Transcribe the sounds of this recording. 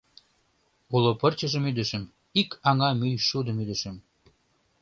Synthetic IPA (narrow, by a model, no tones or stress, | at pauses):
ulopərt͡ɕə̆ʒəmyd̪ə̆ʃəm | ikʰɑŋɑmyjʃud̪ə̆myd̪ə̆ʃəm